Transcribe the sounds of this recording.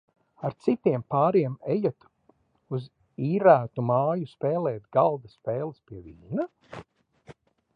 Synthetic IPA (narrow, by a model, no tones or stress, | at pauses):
aɾt̪sit̪iɛmpaːɾiɛmejat̪ | uz | iːɾæːt̪umaːjuspɛːlˠɛːt̪ɡalˠd̪aspeːlˠɨspiɛviːna